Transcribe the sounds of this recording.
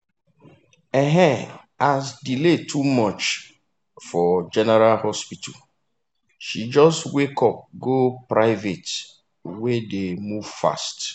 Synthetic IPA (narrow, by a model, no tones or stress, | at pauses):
eɦɛ | azdiletʰumɔt͡ʃ | fɔd͡ʒɛnɛɾalhɔspitʰa̰l | ʃid͡ʒɔstwekɔp̚ɡopɾaɪvet | wedemuv̥fa̰st